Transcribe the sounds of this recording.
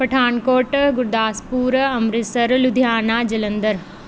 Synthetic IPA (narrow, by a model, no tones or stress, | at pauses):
pɐʈʰaːnkoːʈɡʊɾd̪aːspuːɾɐmɾɪsɐɾlʊd̪ʱjaːnaːd͡ʒɐlə̃nd̪əɾ